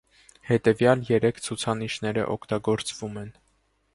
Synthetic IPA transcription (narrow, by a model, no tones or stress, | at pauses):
hɛt̪ɛvjɑljɛɾɛkʰt͡sʰut͡sʰɑniʃnɛɾə̰ʔɔkʰt̪ɑɡɔɾt͡svumɛn